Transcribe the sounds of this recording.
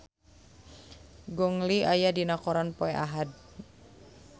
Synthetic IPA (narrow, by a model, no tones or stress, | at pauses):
ɡɔŋliʔajadinakɔɾanpɔɛʔa̰ɦad̚